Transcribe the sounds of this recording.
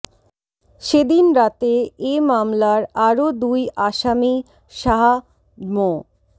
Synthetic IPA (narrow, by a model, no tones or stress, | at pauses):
ʃed̪inɾat̪eemamlaɾaɾod̪ujʔaʃami | ʃaɦa | mo